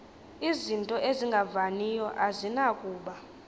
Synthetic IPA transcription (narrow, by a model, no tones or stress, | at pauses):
izintʼɔʔeziŋɡʱavanijɔʔazinakʼuːɓa